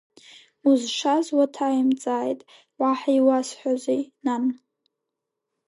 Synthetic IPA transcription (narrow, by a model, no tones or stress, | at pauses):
uzʂazwatʰajimt͡sʼaːjtʼ | waħaiwasħʷazenan